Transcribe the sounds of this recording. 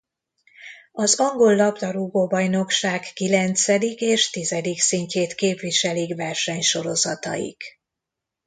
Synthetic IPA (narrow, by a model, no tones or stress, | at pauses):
ɒzɒŋɡo̞lːɒbd̪ɒɾuɡoːbɒjno̞kʃaːkːilɛnt̪sɛd̪ikeːʃt̪izɛd̪iksiɲceːt̪keːpʋiʃɛlikvɛrʃɛɲʃo̞ɾo̞zɒt̪ɒ̰jḭk